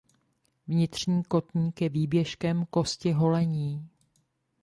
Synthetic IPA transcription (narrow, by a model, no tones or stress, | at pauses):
vɲɪt̪r̝̥ɲiːko̞t̪ɲiːkjɛviːbjɛʃkɛmko̞scɪɦo̞lɛɲiː